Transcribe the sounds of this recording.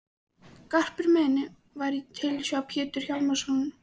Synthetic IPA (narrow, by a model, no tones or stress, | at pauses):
kar̥pɪɾmɛːnɪ | vaɾit̪ʰɪlsjapʰjɪːt̪ʏɾ̥çawlmasunn